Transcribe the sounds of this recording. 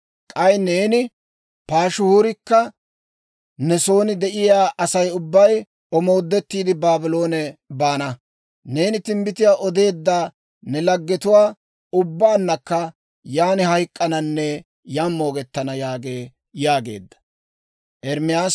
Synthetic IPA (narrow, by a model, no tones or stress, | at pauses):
kʼɐjne̞ːnɪ | paːʃʊhuːɾɪkːɐ | nɛso̞ːnɪd̪ɛʔɪjaːʔɐsɐjʊbːɐj | ɔmo̞ːd̪ːɛt̪ːiːd̪ɪbaːbɪlo̞ːnɛbaːnɐ | ne̞ːnɪt̪ɪmbɪt̪ɪjaːʔɔd̪e̞ːd̪ːaː | nɛlɐɡːɛt̪ʊwaː | ʊbːaːnːɐkːɐ | jaːnɪhɐjkʼːɐnɐnːɛ | jamːoːɡɛt̪ːɐnɐjaːɡe̞ː | jaːɡe̞̰ːd̪ːɐ̥ | ʔɛɾmɪjaːs